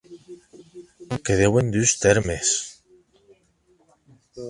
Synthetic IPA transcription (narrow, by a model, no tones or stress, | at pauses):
keðewend̪yst̪eɾmes